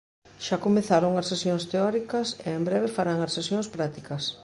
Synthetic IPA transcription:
ʃakomeθaɾoŋɐsːesjoŋst̪eɔɾikɐseembɾeβ̞efaɾaŋɐssesjõŋspɾat̪ikɐs

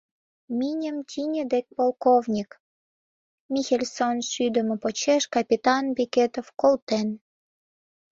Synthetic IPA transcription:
minʲə̆mt̪ʲinʲə̆d̪ek̚ʲpolˠkovnʲik | mʲixelʲsonʃyd̪ə̆mə̆pot͡ɕeʃkɑpʲit̪ɑnbekʲet̪ofkolt̪en

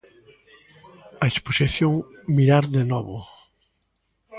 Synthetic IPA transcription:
ɐesposiθjoŋmiɾaɾðenɔβʊ

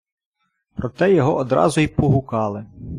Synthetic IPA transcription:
pɾɔt̪ɛjɔɦɔʔɔd̪ɾɑ̰zʊipɔɦʊkɑlˠɪ

